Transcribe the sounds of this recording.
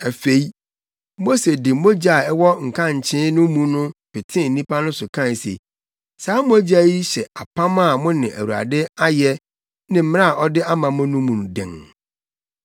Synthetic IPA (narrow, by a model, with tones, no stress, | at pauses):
æ˨fe˨i˦ | mo˦se˨dɪ˨mo˦d͡ʑa˨ɛ˦wɔ˦ŋ̩˨kʰã˦ɲ̩˨t͡ɕʰɪ̃˦nʊ̃˦mũ˦nʊ̃˦pɪ˨tʰɪ̃˦˨n̩˨nĩ˦pa˦nʊ̃˦sʊ˨kʰã˦˨sḛ˨ | saː˨˦mʊ̃˦æ˦d͡ʑa˦ji˦ɕɛ˨a˨pʰã˦mã˦˨mʊ̃˦nɪ̃˨ʔæ̰˨wu˨a̰˨dɪ˦a˦jɛ˦ | nɪ̃˨m̩˦m˦a˦˨ʔɔ˦dɪ˦a˦mã˨mʊ̃˦nʊ̃˦mũ˨nʊ̃˨dɛ̰̃˨ŋ